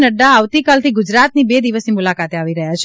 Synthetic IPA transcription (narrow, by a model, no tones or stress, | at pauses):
nəɖaːʋt̪ikalt̪ʰiɡʊd͡ʒɾat̪nibed̪iʋəsnimulakat̪eaʋiɾəɦjjat͡ʃʰ